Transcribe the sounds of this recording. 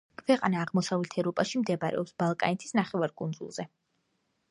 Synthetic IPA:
kʰvɛqʼanaːʁmɔsavlɛt̪ʰɛvɾɔpʼaʃimd̪ɛbaɾɛ̰ɔpsb̥alˠkʼa̰nit̪ʰi̥snaχɛvaɾkʼund̪zṵlˠz̥ɛ

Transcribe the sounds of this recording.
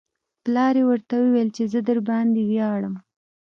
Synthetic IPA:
plɑɾewəɾt̪awewelt͡ʃezəd̪əɾbɑnd̪ewjɑɽəm

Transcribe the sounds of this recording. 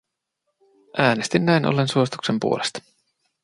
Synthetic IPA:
ʔæːnest̪inːæinʔo̰lːe̞nsuo̞sit̪uksempṵolest̪ɑ̥

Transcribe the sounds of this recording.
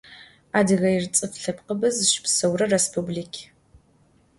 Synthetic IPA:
aːdɨɣɐjɪrt͡sʼɨfɬɐpqəbɨzʃɪ̥psɐwrɐrespʰublikʲʰ

